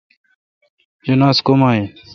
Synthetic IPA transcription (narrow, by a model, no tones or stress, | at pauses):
jɐnaːskomaːeː